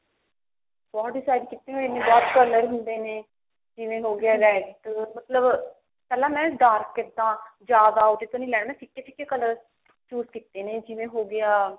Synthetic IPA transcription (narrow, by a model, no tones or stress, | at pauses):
bɔːʈ̚ɖɪsaːjɪɖkɪt̪ːẽːɦoenẽːbɔːt̪kələɾɦʊnd̪eːneː | d͡ʒɪʋẽːɦoːɡɪaːɾɛːʈʈːmət̪ləb | pɛːlãːmɛ̃ːɖaːɾkːed̪ãːd͡ʒjaːd̪aːoːʈet̪õːnĩːlɛːɽ̃mɛ̃ːsʰɪkːeːt͡ʃʰɪkːeːkələɾ | t͡ʃuːskiːt̪ːeːnẽːd͡ʒɪʋẽːɦoːɡɪaː